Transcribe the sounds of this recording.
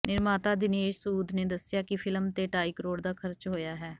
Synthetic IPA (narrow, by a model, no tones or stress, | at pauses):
nɪɾmaːt̪aːd̪ɪneːʃsuːd̪neːd̪əsɪjaːkɪpʰɪlmt̪eːʈaːiːkəɾoːɽd̪aːkʰəɾt͡ʃɦoːjaːɦɛː